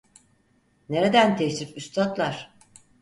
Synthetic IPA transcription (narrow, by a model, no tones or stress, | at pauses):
neɾed̪ænt̪ʰɛçɾifyst̪ʰat̪lˠaɾ̥